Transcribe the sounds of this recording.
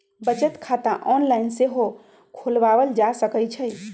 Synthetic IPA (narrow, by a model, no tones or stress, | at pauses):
bət͡ʃət̪kʰat̪ãʔɔnlainseɦo | kʰolʋaβəld͡ʒasəkəjt͡ʃʰəj